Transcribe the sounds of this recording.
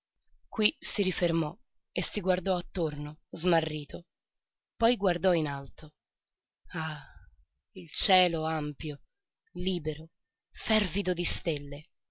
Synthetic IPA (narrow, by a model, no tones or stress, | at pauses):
kwisiɾifermɔ | esːiɡward̪ɔat̪ːornozmarːiːt̪ʰo | pɔjɡward̪ɔinalt̪o | a | ilt͡ʃɛːloampjo | liːbeɾo | fɛrvid̪od̪ist̪elːe